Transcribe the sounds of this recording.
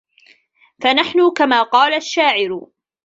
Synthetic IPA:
fanaħnʊkamaːqɑːlaʃːaːʕɪɾ

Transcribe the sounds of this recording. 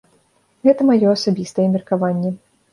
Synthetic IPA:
ɣɛt̪ɐmajɔasabʲist̪ɐjɛmʲɛrkavanʲːɛ

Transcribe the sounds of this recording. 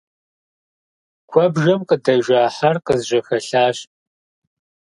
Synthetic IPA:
kʷʰɔbʒɐmqədɐʒaːħarqəzʒʷɐxɐɬaːɕ

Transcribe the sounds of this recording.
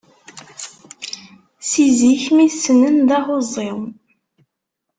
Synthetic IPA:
siziçmiθsənənðɑʁozˤːɪw

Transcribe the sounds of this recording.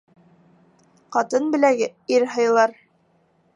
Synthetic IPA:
qɑt̪ɤnbɘ̆læɡɘiɾɦɤ̆jlˠɑɾ

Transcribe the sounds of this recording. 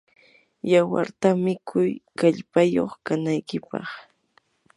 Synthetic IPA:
jawa̰ɾt̪amɪkʰʊjkaʎpajo̰χkanajkɪpɑ̰χ

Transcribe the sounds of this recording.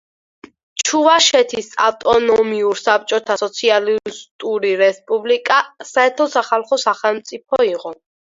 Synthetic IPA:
t͡ʃʰuvaʃɛt̪ʰisa̰t̪ʼɔnɔmiuɾsap̚t͡ʃʼɔt̪ʰasɔt̪sʰialist̪ʼuɾiɾɛspʼublikʼasaɛɾt̪ʰɔsaχalˠχɔsaχɛlˠmt̪sʼipʰɔiʁɔ

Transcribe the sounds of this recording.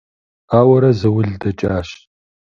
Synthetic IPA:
aːwɐɾɐzɐwʊɮdɐt͡ʃʼaːɕ

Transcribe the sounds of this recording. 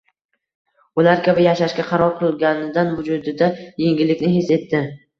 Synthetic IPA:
ʊlaɾkʲʰabɪjaʃaʃkʲaqʰɑɾɒɾqʰɨlˠɡʲanɪd̪anvʊd͡ʒʊd̪ɪd̪ajeŋɡʲɪlːɪkʲnɪɦese̞t̪ːɪ

